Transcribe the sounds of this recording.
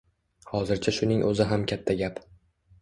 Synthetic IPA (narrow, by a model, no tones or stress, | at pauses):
hɒzɪɾt͡ʃʰaʃʊnɪŋʔɵzɪɦamkʲʰat̪ʰːaɡʲap